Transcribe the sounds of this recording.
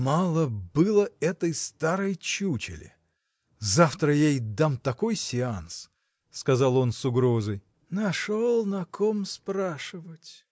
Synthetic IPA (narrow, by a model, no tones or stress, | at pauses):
malˠəbɨlˠəɛt̪əjst̪aɾəjt͡ɕut͡ɕɪ̰lʲɪ̰ | zaft̪ɾəjejd̪amt̪ɐko̞jsʲɪans | skɐzɑlˠo̞nsʊɡɾo̞zəj | nɐʂolˠnɐkʰomspɾaʂɨvətʲ